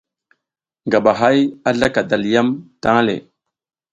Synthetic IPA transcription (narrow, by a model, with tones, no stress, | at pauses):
ŋɡa˨ɓa˨ɦa˦ja˦ɮa˦ka˨da˨lja˦mta˦ŋ˦lḛ˨